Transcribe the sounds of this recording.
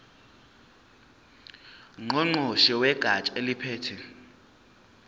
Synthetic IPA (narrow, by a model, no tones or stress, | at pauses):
ŋoŋ͡ǃoʃiwɛɡ̥ʱat͡ʃʼelipʰeːtʰɛ